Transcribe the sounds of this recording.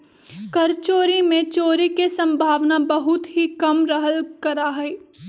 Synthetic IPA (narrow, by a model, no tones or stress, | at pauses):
kɐɾt͡ʃoːɾimẽt͡ʃoːɾikesɐ̃mbʱaːʋnabɐɦʊt̪ɦikɐmɾəɦəlkɐɾaɦɛː